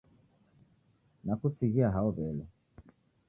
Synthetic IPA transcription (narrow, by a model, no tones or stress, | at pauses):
nakusiɣiaɦaɔβɛlɛ